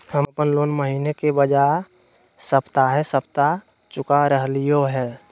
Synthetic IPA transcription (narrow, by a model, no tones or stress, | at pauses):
həməpənloːnməɦiːnekebəd͡ʒa | səpt̪aɦɛsəpt̪a | t͡ʃʊkaɾəɦlijoɦɛː